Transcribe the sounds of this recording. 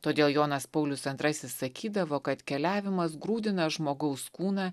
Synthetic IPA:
t̪oːd̪ʲeːlˠjoːnɐspɒʊlʲʊsɐnt̪ɾɐsʲɪssɐkʲiːd̪ɐʋoːkɐt̪kʲɛlʲæːʋʲɪmɐsɡɾuːd̪ʲɪnɐʒmoːɡɐʊskuːnɑː

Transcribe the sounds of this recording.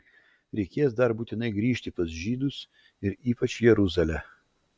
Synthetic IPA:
ɾʲɛɪkʲeːsd̪ɐɾbuːt̪ʲɪnɐɪɡɾʲiːʃʲt̪ʲɪpɐsʒʲiːd̪ʊs | ɪɾiːpɐt͡ʃjɛɾʊzɐlʲɛ

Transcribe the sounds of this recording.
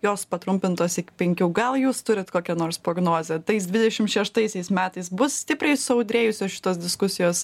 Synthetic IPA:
joːspɐt̪ɾʊmʲpʲɪnt̪oːsɪkʲɪ̥pʲɛŋʲkʲuːɡɐlˠjuːst̪ʊɾʲɪt̪koːkʲɛnoːɾspɾoːɡnoːzʲɛt̪ɐɪsd̪ʲʋʲɪdʲɛʃʲɪmʃʲɛʃt̪ɐɪsʲɛɪsmʲæːt̪ɐɪsbʊssʲt̪ʲɪpʲrɐɪsʊɐʊd̪ʲɾʲeːjʊsʲoːsʃʲɪ̥t̪oːsd̪ʲɪskʊsʲɪjoːs

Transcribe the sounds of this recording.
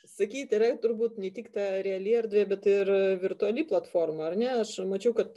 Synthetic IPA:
sɐkʲiːt̪ʲɪɾɐt̪ʊɾbuːt̪nʲɛt̪ʲiːkt̪ɑːɾʲɛɐlʲiːɐrʲd̪ʲʋʲeːbʲɛt̪ɪrʋʲɪrt̪ʊɐlʲiːplˠɐt̪foːrmɐɐrnʲɛɐʃmɐt͡ʃʲɛʊkɐt̪

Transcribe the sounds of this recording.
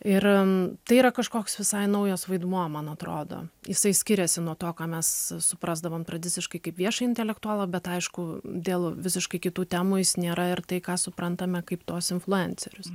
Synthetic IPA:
ɪrt̪ɐɪiːɾɐkɐʃkoːksʋʲɪsɐɪnɐʊjoːsʋɐɪd̪muɔmɐnɐt̪ro̰ːd̪o̰ːjɪsɐɪsʲkʲɪɾʲɛsʲɪnuɔt̪oːkɑːmʲɛssʊpɾɑzd̪ɐʋoːmt̪ɾɐd̪ʲɪtt͡s̪ʲɪʃkɐɪkɐɪpʋʲiɛʃɐɪɪnʲt̪ʲɛlʲɛkt̪ʊaːlˠoːbʲɛt̪ɐɪʃkʊd̪ʲeːlˠʋʲɪsʲɪʃkɐɪkʲɪt̪uːt̪ʲæːmuːjɪsnʲeːɾɐɪrt̪ɐɪkɑːsʊpɾɐnt̪ɐmʲɛkɐɪpt̪uɔsɪnflˠʊɛnʲt͡sʲɛɾʲʊs

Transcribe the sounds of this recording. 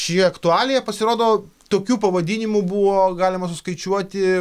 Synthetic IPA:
ʃʲjoɐkt̪ʊɑːlʲejɛpɐsʲɪɾoːd̪oːt̪oːkʲuːpɐʋɐd̪ʲiːnʲɪmʊbuʋoːɡɑːlʲɪmɐsʊskɐɪt͡ʃʲuɔt̪ʲɪ

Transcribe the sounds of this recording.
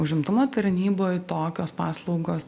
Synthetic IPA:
ʊʒʲɪmt̪ʊmoːt̪ɐɾʲnʲiːboːjt̪oːkʲoːspɑːslˠɐʊɡoːs

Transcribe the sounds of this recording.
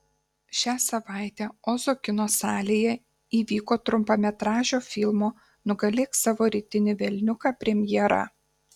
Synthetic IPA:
ʃʲæːsɐʋɑˑɪt̪ʲɛoːzoːkʲɪnoːsɑːlʲeːjɛ | iːʋʲiːkoːt̪ɾʊmpɐmʲɛt̪ɾɑːʒʲoːfʲɪlˠmoː | nʊɡɐlʲeːksɑʋoːɾʲiːt̪ʲɪnʲɪʋʲɛlʲnʲʊkɑːpʲɾʲɛmʲjɛɾɐ̰

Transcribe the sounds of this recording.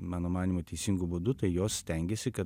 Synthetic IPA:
mɑːnoːmɑːnʲiːmoːt̪ʲɛɪsʲɪŋɡʊbʊd̪ʊt̪ɐɪjoːssʲt̪ʲɛŋʲɡʲeːsʲɪkɐ

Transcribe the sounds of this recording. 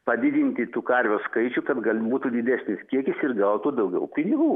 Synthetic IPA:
pɐd̪ʲɪd̪ʲɪnʲt̪ʲɪt̪uːkɐɾʲʋʲoːskɐɪt͡ʃʲukɐt̪ɡɐlʲbuːt̪uːd̪ʲɪd̪ʲæsʲnʲɪskʲiɛkʲɪsɪrɡɐʊt̪uːd̪ɐʊɡʲɛ̰ʊpʲɪnʲɪɡuː

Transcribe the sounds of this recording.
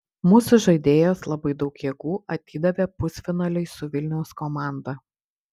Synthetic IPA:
muːsʊʒɐɪd̪ʲeːjoːslˠɐbɐɪd̪ɒʊkjeːɡuːʔɐt̪ʲiːd̪ɐʋʲɛpʊsʲfʲɪnɐlʲɛɪsʊʋʲɪlʲnʲɛʊskomɑˑnd̪ɐ

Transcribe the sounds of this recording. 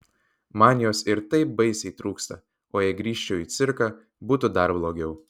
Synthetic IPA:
mɑːnʲɪjoːsɪɾt̪ɐɪp̚bɐɪsʲɛɪt̪ɾuːkst̪ɐ | oːjɛɪɡɾʲiːʃʲt͡ʃʲɛʊiːt̪sʲɪɾkɑː | buːt̪ʊd̪ɐɾblˠoːɡʲɛʊ

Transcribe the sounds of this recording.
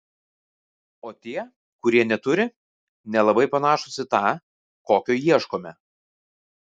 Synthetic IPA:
oːt̪ʲiɛ | kʊɾʲiɛnʲɛt̪ʊɾʲɪ | nʲɛlˠɐbɐɪpɐnɑːʃʊsʲɪt̪ɑː | koːkʲoːjiɛʃkoːmʲɛ

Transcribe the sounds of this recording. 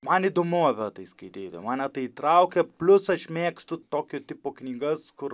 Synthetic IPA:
mɐniːd̪oːmʊɐpʲɛt̪ɐɪskɐɪt̪ʲiːt̪ʲo̰mɑːnʲɛt̪ɐɪit̪ɾɐʊkʲɛpʲlʲʊsɐʃmʲeːkst̪ʊt̪oːkʲot̪ʲɪːpoknʲiːɡɐskʊr

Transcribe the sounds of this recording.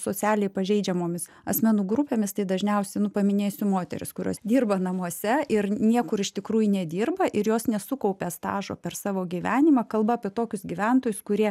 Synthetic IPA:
soːt͡s̪ʲæːlʲɛɪpɐʒʲɛɪd͡ʒʲɛmoːmʲɪs | ɐsʲmʲɛnuːɡɾʊpʲeːmʲɪst̪ɐɪd̪ɐʒʲnʲɛʊsʲɛɪnʊpɐmʲɪnʲeːsʲʊmoːt̪ʲɛ̰ɾʲɪ̰skʊɾʲṵɔsd̪ʲiːrbɐnɐmuɔsʲɛɪrnʲiɛkʊɾɪʃt̪ʲɪkɾuːjʊnʲɛd̪ʲiːrbɐʔɪɾjoːsnʲɛsʊkɐʊpʲɛːst̪ɑ̰ːʒo̰ːpʲɛrsɑːʋoːɡʲiʋʲæːnʲɪmɑkɐlˠbɐɐːpʲiɛt̪oːkʲʊsɡʲiːʋʲɛnt̪oːjʊskʊɾʲiɛ

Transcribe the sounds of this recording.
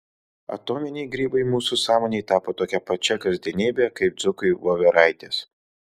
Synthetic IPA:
ɐ̰t̪oːmʲɪnʲɛɪɡɾʲiːbɐɪmuːsusɑːmoːnʲeɪt̪ɑːpoːt̪oːkʲɛpɐt͡ʃʲɛkɐzʲd̪ʲɛnʲiːbʲɛkɐɪp̚d̪z̥ʊkʊɪʋoːʋʲɛɾɐɪt̪ʲeːs

